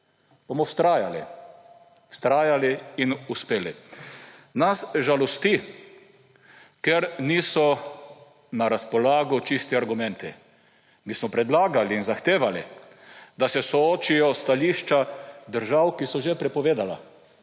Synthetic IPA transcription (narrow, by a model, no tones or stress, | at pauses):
b̥omɔwst̪ɾaːjalḭ | wst̪ɾaːjaliinuspeːli | nasʒalɔst̪i | keɾnisɔ | naɾaspɔlaːɡɔt͡ʃist̪ɛaɾɡʊmɛ̃nt̪i | miːsmɔpɾɛd̪laːɡaliːnzaxt̪eːʋalḭ | d̪asɛsɔoːt͡ʃijɔst̪aliʃt͡ʃad̪əɾʒawkisɔʒepɾɛpɔʋeːd̪ala̰